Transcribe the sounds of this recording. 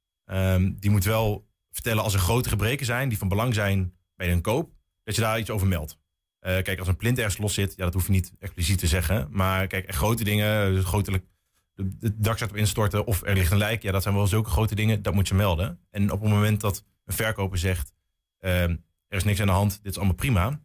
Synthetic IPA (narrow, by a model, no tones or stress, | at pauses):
əmdimutʋɛlˠ | vəɹtɛləɑlˠsɛɹχrowtəχəbrejkəɹzɛjndivɑnbəlɑŋzɛjn | bɛjənkowp̚ | d̥ɑtjədaːitsowvəɹmɛlˠt | ʔəkɛjkɑlˠsənplɪntɛɹχənslɔsɪtjadɑtɦufjənitɛksplisitəzɛχəmaːkɛjkɛχrowtədɪŋəχowtələk̚ | ədɑksatɔpɪnstɔɹtəʔɔfɛ̰ɹlɪχtənlɛjkjaːdɑtsɛjnʋɛlˠzɵlˠkəχrowtədɪŋədɑtmutjəmɛlˠdəʔɛnɔpənmomɛnt̚dɑt | ənvɛɹkowpəɹzɛχt | ə | ɛrɪsnɪksandəɦɑntdɪtɪ̥sɑlˠəmalˠprima